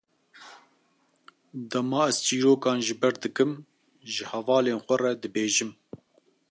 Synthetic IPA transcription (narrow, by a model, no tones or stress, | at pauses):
d̪ɐmɑːɛz̥t͡ʃiːɾoːkɑːnʒɨbɛɾd̪ɨkɨm | ʒɨhɛvɑːleːnxʷɐrɛd̪ɨbeːʒɨm